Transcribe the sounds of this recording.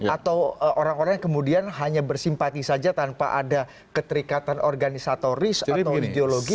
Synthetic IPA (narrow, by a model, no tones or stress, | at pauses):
jat̪awʔoɾaŋoɾaŋŋkəmudianɦaɲabərsimpat̪isad͡ʒat̪anpa̰ʔada | kət̪əɾikat̪anʔɔrɡanisat̪oɾɪsaawideoloɡi